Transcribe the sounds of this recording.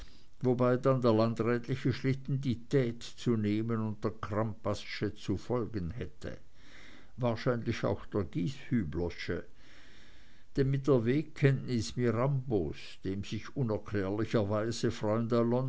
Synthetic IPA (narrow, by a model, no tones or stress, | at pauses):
vobaɪdandeːɐlandʁɛːtlɪçəʃlɪt̪n̩ditʰɛːtt͡suneːmənʊnt̚d̥eːɐkʰʁ̥ampasʃət͡sufɔlɡənhɛtʰə̰ | vaːɐʃaɪnlɪça̰ʊxd̥eːɐɡiːshyːblɔʃə̰ | d̥eːɐmɪt̚d̥eːɐveːkʰːɛntnɪsmiʁambo̰s | d̥eːmz̥ɪçʊnɛɐkʰlɛːɐlɪçɐvaɪzəfʁ̥ɔʏəndəlɔn